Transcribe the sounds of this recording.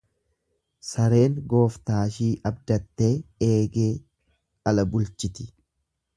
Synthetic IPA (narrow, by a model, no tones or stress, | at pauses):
sɐɾe̞ːŋɡo̞ːft̪aːʃiːʔɐbd̪ɐt̪ːe̞ːeːɡe̞ː | ɐlɐbʊlt͡ʃɪt̪ɪ̥